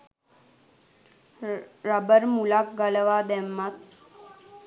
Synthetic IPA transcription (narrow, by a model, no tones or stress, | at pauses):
ɾabəɾmulak̚ɡaləʋaːd̪æmːat̪̚